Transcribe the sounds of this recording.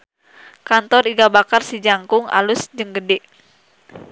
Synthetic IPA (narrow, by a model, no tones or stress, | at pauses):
kant̪ɔriɡabakarsid͡ʒaŋkʊŋa̰lusd͡ʒəŋɡədɛʔ